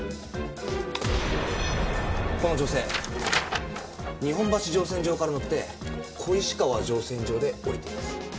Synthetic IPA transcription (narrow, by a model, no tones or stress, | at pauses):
konod͡ʑo̞se̞̰ː | ɲ̟iɦõ̞mbaɕiʑo̞ːs̬ẽ̞ɲ̟d͡ʑo̞ːkaɾanott̪ːe̞ | kʰo̞iɕi̥kaβad͡ʑo̞ːsẽ̞ɲ̟d͡ʑo̞ːd̪e̞oɾʲit̪emasɨ̥